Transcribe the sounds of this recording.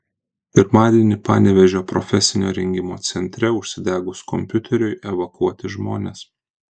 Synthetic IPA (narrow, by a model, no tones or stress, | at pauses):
pʲɪɾmɑːd̪ʲiɛnʲɪpɑ̰ːnʲɛʋʲɛʒʲoːpɾɔ̰fʲɛsʲɪnʲoːɾʲɛŋʲɡʲɪmo̰ːt̪sʲɛnʲt̪ʲɾʲɛʊʃʲsʲɪd̪ʲæːɡʊskɔmʲpʲʊt̪ʲɛɾʲʊɪʔɛʋɐkuɔt̪ʲɪʒmoːnʲeːs